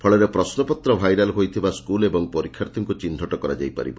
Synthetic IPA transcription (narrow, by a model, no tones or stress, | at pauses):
pʰɔɭɔɾepɾɔsnɔpɔt̪ɾɔbʱajɾalɦojt̪ʰibaskulebɔŋpɔɾikʰːjaɾt̪ʰɔŋkut͡ʃind̪ʱɔʈɔkɔɾa̰d͡ʒa̰jpa̰ɾḭbɔ